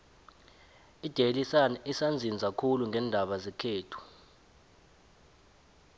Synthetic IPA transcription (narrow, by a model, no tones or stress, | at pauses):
id̥ʱelisanɛisand͡zʱinizakʰuluŋɡɛːndʱaɓazɛkʰeːtʰu̥